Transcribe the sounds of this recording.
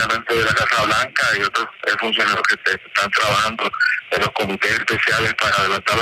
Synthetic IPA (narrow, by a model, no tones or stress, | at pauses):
amẽ̞nt̪eðelakasaβlaŋkaio̞t̪ɾosefunsjo̞naɾoskeesest̪ant̪ɾaβahand̪o̥elo̞sko̞mit̪esespesjale̞spaɾaːðe̞lant̪aɾ